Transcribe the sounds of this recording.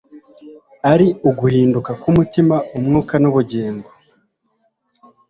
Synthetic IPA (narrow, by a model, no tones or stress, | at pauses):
aɾiuɡuhiːndukakumutimaumŋuːkanuβuɟeːŋɡo